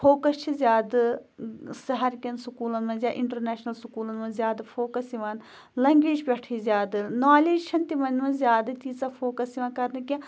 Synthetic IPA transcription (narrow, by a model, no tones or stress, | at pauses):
fʰoːkəst͡ʃʰizjaːd̪ | sɐɦɐɾkʲɐnsʊkuːlɐnmɐ̃nzjaːʔɪɳʈɐɾnɛːʃnɐlsʊkuːlɐnmɐ̃nzjaːd̪apʰoːkɐsiʋãːn | lɛ̃ːŋɡʋiːd͡ʒbɛːʈʰizʲjaːd̪naːliːd͡ʒt͡ʃʰɐnt̪imɐnmɐ̃nzjaːd̪ɐt͡ʃiːzaːpʰoːkɐsiʋãːkɐɾnikʲã